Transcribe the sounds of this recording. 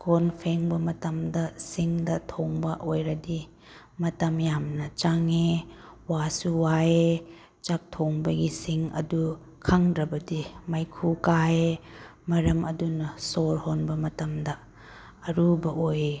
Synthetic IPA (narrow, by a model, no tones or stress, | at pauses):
kʰonpʰeŋbɐmɐtɐmdɐsiŋdɐtʰoŋbɐʔojɾɐdi | mɐtɐmjamnɐt͡ʃaŋewasuwaje | t͡ʃɐk̚tʰoŋbɐɡisiŋɐ̰du | kʰaŋdɾɐbɐdimajkʰukajemɐɾɐmɐdunɐsoɾhonbɐmɐtɐmdɐː | ɾubɐʔoje